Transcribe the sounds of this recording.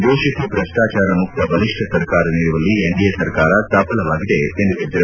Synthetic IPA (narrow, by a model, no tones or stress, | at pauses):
d̪oːʃɐsipɾɐʂʈaːt͡ʃaːɾɐmuk̚t̪ɐbɐliʂʈʰɐsɐɾkaːɾɐniːɾuʋɐlːieɳɖijesɐɾkaːɾɐst̪aːpɐlɐʋaːɡid̪e̞end̪ut̪ːid̪iɐɾ